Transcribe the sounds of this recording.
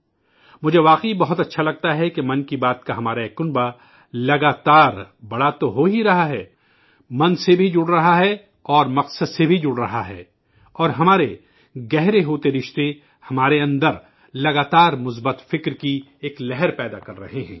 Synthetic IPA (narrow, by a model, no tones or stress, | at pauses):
mʊd͡ʒʱeʋaːqibɐɦʊt̪ɐtːʃʰalɐɡ̚t̪aɦɛkemɐ̃nkibaːt̪kaɦɐmaːɾaeːkːʊnba | lɐɡaːt̪aːɾbɐɽat̪oɦoɦiɾɐɦaɦɛː | mɐ̃nsebʱid͡ʒʊɽɾɐɦaɦɛ | ɔːɾmɐqsəd̪sebʱid͡ʒʊɽɾɐɦaɦɛ̰ː | ɔːɾɦɐmaːɾe | ɡɛɦɾeɦoːt̪eɾɪʃt̪e | hɐmaːɾeɐ̃nd̪əɾ | lɐɡaːt̪aːɾmʊs̬bət̪fɪkɾki | eːklɛɦɛɾpɛːd̪akɐɾɾɐ̰ɦeɦɛ̰̃ː